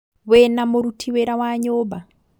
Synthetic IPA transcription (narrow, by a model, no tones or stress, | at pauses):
wenamoɾutʰiweɾawaɲoːba